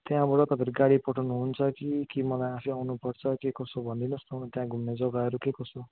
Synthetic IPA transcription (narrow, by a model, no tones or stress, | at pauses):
t̪jãbʌɽʌt̪ʌpʰeɾiɡaɽipʌʈʰawnuɦunt͡sʰʌkikimʌlajasʰiawnupʌrt͡sʰʌkekʌsobʱʌnd̪inust̪ʰʌw̃t̪jãɡʱumned͡zʌɡaɦʌɾukekʌso